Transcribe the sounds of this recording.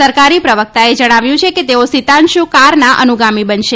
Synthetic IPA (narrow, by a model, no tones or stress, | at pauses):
səɾkaɾipɾəʋək̚t̪aed͡ʒəɽ̃aʋjũt͡ʃʰeket̪eosit̪ãnʃũkaɾnaʔənuɡamibənʃe